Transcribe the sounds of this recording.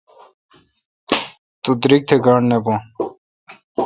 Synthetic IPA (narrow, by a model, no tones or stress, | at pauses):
t̪ud̪ɾik̚t̪ʰeɡaːɳnebõ